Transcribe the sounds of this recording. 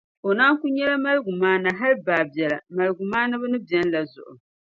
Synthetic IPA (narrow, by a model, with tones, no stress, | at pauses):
o˨naː˦ŋ˦ku˦ɲɛ˦la˦ma˦lɡu˨maː˦na˨ɦa˦lbaː˨bi˨ɛ˨la˨ma˨lɡu˨maː˦na˦bu˦nɨ˦bɛ˦n˦la˨zʊ̰˨ʔʊ̰˨